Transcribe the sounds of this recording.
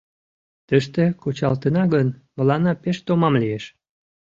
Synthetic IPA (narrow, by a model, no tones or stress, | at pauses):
t̪əʃt̪ekot͡ɕɑlt̪ənɑɣənmə̆lɑnɑpeʃt̪omɑmlijeʃ